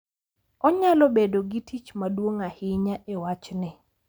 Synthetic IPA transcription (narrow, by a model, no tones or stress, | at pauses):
ɔɲalɔbedoɡitʰit͡ʃmadwoŋahɪɲaʔewat͡ʃnɪ